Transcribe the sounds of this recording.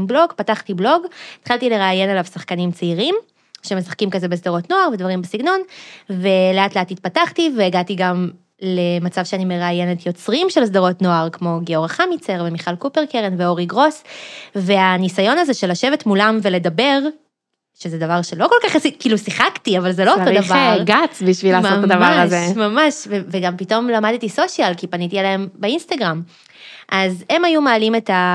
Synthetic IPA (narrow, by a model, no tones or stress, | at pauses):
mblo̞ɡpataχtiblo̞ɡit̪χaltile̞ʁaːjenelavsaχkanimt͡seiʁim | ʃeme̞sḁχkimkazebes̬d̪aʁo̞tnoaʁvedvaʁimbesiɡno̞nveleat̪leatit̪̚pataχtiveːɡat̪iɡam | lemat͡savʃeanimeʁaːjenetjo̞t͡sʁimʃels̬d̪aʁo̞tno̞aʁkmo̞ɡeo̞ʁaχamit͡seʁvemiχalkupeʁkeʁenveo̞ʁiɡʁo̞sve̞anisajo̞nazeʃelːaʃevetmulamvele̞d̪abe̞ʁ | ʃezed̪avaʁʃeloko̞lkaχsikiːlusiχaktiavalzelo̞otod̪avaɡat͡sbiʃvilasmtːaadavaʁaazemamaʃveveɡampito̞mlamad̪t̪iso̞ʃjalkipanit̪ialaembeinst̪aɡʁam | ʔaze̞majumaːlimeta